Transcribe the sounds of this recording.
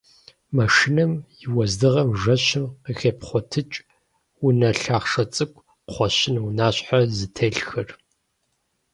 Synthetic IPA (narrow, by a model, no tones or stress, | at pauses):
mɐʂinɐmjɪwɐzdɨʁɐmʒɐɕɪmqəxeːpχʷɔtʰɨt͡ʃʼ | wʊnɐɬaːχʂɐt͡sʼɨkʷʼ | χʷɔɕɪnwnaːɕħazɨtʰɐɬxɐr